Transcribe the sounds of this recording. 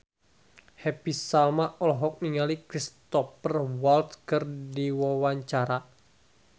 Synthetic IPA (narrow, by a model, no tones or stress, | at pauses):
hɛpisalmaʔɔlɦɔk̚niŋalikɾist̪ɔpərwalt̪̚kərdiwawaɲt͡ʃaɾa